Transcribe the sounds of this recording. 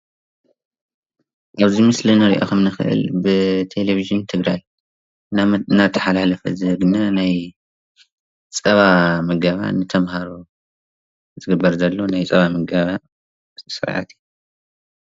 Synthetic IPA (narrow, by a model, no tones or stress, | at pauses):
ʔaβzimɨslinɨɾiʔo̰xɐmnɨxɨ̰ʔɨ̰lbɨt̪ʰe̞leviʒɨnt̪ʰɨɡɾaj | nːat̪ʰːɐ̥ħalalɐfɐ̰zɨɡɨnanaj | t͡sʼɐβamɐɡaβa̰nɨt̪ʰɐmhaɾo | zɨɡɨbːɐɾzɐlːo̞najt͡sʼɐβamɐɡaβa | sɨ̰ɾʕa̰t̪ʰi